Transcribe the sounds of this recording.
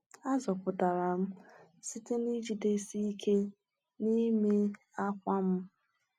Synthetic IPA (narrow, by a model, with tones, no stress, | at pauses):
a˦zɔ˨pʊ˨da˨ɾa˨m̩˦si˦te˦ni˦d͡ʒi˦de˦si˦i˦kʰe˦ | ni˦me˦ | a˦kʷa˦m̩˦